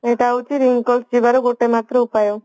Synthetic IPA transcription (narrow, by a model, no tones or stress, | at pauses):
eʈaut͡ʃiɾiŋkɔlsd͡ʒibaɾoɡoʈemat̪ɾəupajo